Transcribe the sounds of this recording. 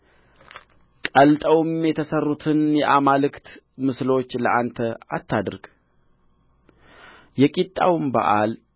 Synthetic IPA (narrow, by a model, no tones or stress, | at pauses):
kʼəlt̪ʼəwɨmjɛt̪ʰəsərːut̪ʰɨnjɛʔamalɨkt̪ | mɨslo̞t͡ʃːləʔant̪ʰəa̰t̪ʰːad̪ɾɡ̥ | jɛkʼit̪ʼːa̰wmba̰ʔal